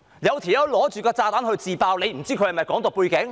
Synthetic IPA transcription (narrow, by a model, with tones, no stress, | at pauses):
jɐ˨˧wt̪ʰi˨˩jɐ˨˧wlɔː˨˥t͡ʃyː˨kɔː˧t͡saː˧t̪aː˨˥nhɵ˧ɥt͡siː˨˧paː˧wne˨˧jm̩˨˩t͡siː˥kʰɵ˨˧ɥhɐ˨˩mɐ˨jkɔː˨˥ŋt̪o˨puː˧jkɪ˨˥ŋ